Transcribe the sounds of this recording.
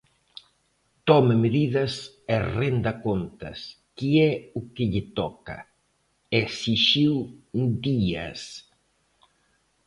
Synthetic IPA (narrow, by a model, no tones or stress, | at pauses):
t̪ɔmɪmeðiðɐs | ɛrend̪ɐkont̪ɐ̰s | kiɛʊkɪʎɪt̪ɔkɐ̰ | esiʃiwd̪iɐ̰s